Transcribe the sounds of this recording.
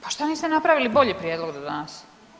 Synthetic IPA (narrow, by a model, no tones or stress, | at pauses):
paʃt̪aniːst̪enapɾaʋilibo̞ʎipɾjed̪lˠoɡd̪od̪anas